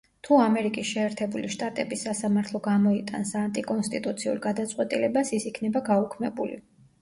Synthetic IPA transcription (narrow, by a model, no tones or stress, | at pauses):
t̪ʰuamɛɾikʼisʃɛːɾt̪ʰɛbuliʃt̪ʼat̪ʼɛbisasamaɾt̪ʰlˠɔɡamɔit̪ʼansant̪ʼikʼɔnst̪ʼit̪ʼut̪sʰiṵɾɡad̪at̪sʼqʼwɛt̪ʼilɛbasisikʰnɛbaɡaukʰmɛbṵlḭ